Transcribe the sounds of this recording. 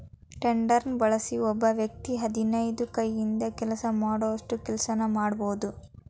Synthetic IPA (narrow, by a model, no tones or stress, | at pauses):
ʈeɳɖɐɾnbɐɭɐsiɔbːɐʋjɐk̚t̪iɦɐd̪inɐjd̪ukɐjːind̪ɐkɛlɐsɐmaːɽoɐʂʈukɛlsɐnɐmaːɽɐboːud̪u